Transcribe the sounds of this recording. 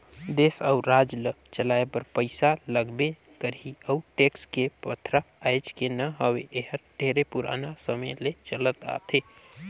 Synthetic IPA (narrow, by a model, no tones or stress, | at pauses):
d̪eːsəʊɾaːd͡ʒlət͡ʃəlaːepəɾpəɪsaləɡbekəɾiəuʈeːkskepət̪ʰɾaːd͡ʒkenəɦəweʔeɦəɾɖʱeːɾepʊɾa̰ːnasəməjlet͡ʃələt̪a̰ːt̪ʰeː